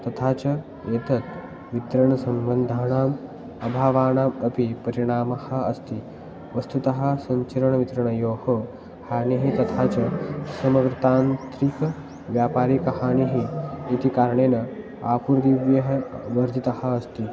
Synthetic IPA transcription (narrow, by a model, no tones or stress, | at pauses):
t̪ɐt̪ʰaːt͡ʃɐ | eːt̪ɐt̪ | ʋit̪ɾɐɳɐsɐmbɐnd̪ʱaːɳaːm | ɐbʱaːʋaːnaːmɐpipɐɾiɽaːmɐhɐ̆ɐst̪i | ʋɐst̪ut̪ɐɦɐ̆sɐɲt͡ʃɐɾɐɳɐʋit̪ɾɐɳɐjoːho | haːniɦit̪ɐt̪ʰaːt͡ʃɐsɐmɐɡɾɐt̪aːnt̪ɾikɐ | ʋjaːpaːɾikɐhaːniɦiːt̪ikaːɾɳeːnɐ | aːpuɾd̪iʋjɐɦɐʋɐɾd̪ʱit̪ɐhɐ̆ɐst̪i